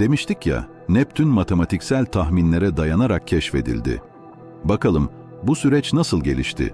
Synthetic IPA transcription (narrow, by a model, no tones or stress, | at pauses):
d̪̥e̞miʃt̪ʰicja̰ | nɛp̚t̪ʰynmat̪ʰe̞mat̪ʰicsælʲt̪ʰaxminlʲe̞ɾɛd̪ajanaɾak̚cʰːɛʃfe̞̰d̪ḭlʲd̪ɪ̰ | bakalˠɯm | busyɾɛt͡ʃnasɯlˠɟe̞lʲḭʃt̪ʰɪ̰